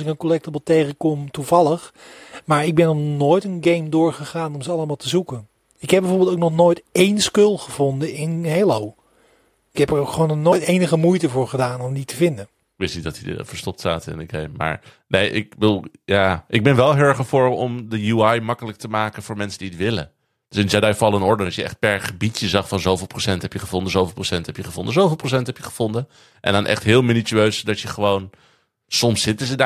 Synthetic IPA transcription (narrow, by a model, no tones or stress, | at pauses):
ɪkənkɔlɛk̚təbəlˠtejχəkɔmtuvɑlˠəχmaːɹɪɡ̚bɛnɔχnoːjtənɡejmdʊːɹχəχaːnɔmzəɑlˠəmaːlˠtəzukən | ɪkɦɛbɛjvoːɹbɪlˠtowknɔχnojtejnskʏlˠχəv̥ɔndəɪnɦelow | ɪkɦɛpəɹokχʋoːnɔχnoːjtejnəχəmujtəvʊːɹχədaːnɔmditəvɪndən | ʋɪsnidɔtid̰fəɹstɔp̚tsa̰ːtɪ̰ndəɡejmːa̰ːɹ | nejʔɪ̰k̚bədulˠjaːʔɪɡ̚bɛnʋɛlˠɦɪɹχəfʊːɹɔmdəjuajmɑkələk̚təmaːkənvʊːɹmɛnsədiətʋɪlə̰ | d̥ʏsɪnd͡ʒɛdajfɑlˠənɔɹdəɑsjəʔɛ̰χt̚pɛɹχəbitjəzɑχfɑnzowvɪlˠprosɛntɦɛpjəχəvɔndənzowvɪlˠprosɛntɦɛpjəχəvɔndənzowvɪlˠprows̬ɛntɦɛpjəχəv̥ɔndə | ʔɛ̰ndɔnʔɛ̰χtɦɪːlˠminityøɥsdɑtjəχəʋown | sɔmsɪtəzəda